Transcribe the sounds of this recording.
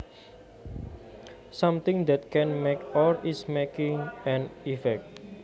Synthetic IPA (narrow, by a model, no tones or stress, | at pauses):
sʌ̃mt̪ɪ̃ŋd̪ɛt̪̚kʰɛ̃nmekɔlismekɪ̃ŋɛ̃nifɛk̚t̚